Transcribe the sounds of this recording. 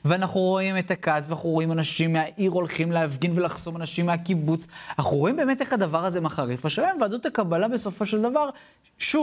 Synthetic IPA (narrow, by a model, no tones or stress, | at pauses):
veanaχnuʁo̞ime̞t̪akazveaχuʁo̞imanaʃimːeaʔiʁo̞lχimleafɡinve̞laχz̥o̞manaʃimːeakibut͡saχuʁo̞imbeːmeteχhad̪avaʁaze̞maχaʁifaʃelaemvead̪otakabalabe̞so̞fo̞ʃeld̪avaʁ | ʃu